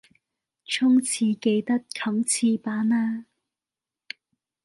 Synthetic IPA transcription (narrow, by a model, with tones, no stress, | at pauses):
t͡ʃʰʊ˥ŋt͡sʰiː˧ke˧jt̪ɐ˥t̚kʰɐ˨˥ŋt͡sʰiː˧paː˨˥naː˧˥